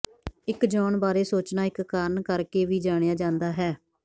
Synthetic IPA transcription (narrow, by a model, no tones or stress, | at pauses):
ɪkd͡ʒɔːɳbaːɾeːsoːt͡ʃnaːɪkːaːɾənkəɾkeːʋiːd͡ʒaːɽ̃ejaːd͡ʒãːnd̪aːɦɛː